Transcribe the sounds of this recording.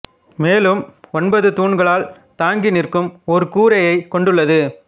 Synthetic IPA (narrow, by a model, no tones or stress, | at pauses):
meːlɯmɔnbɐðɯt̪uːɳɡɐɭaːl | t̪aːŋɡɪnɪrkɯmɔɾɯkuːɾɐjɐɪkɔɳɖɯɭːɐðɯ